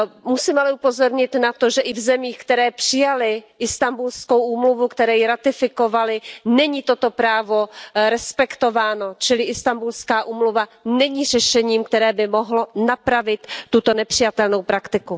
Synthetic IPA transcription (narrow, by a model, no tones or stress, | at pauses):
musiːmalɛupozo̞ɾɲɪt̪nat̪o̞ʒɛʔɪvzɛmiːxkt̪ɛɾɛːpr̥ɪjalɪʔɪst̪ambulskowʔuːmluvukt̪ɛɾɛːjɪɾat̪ɪfɪko̞valɪnɛɲiːt̪o̞t̪o̞pɾaːvo̞ɾɛspɛkt̪o̞vaːno̞t͡ʃɪlɪʔɪst̪ambulskaːʔuːmluvanɛɲiːr̝ɛʃɛɲiːmkt̪ɛɾɛːbɪmoɦlonapɾavɪt̪ːut̪onɛpr̥ɪjat̪ɛlno̞wpɾakt̪ɪku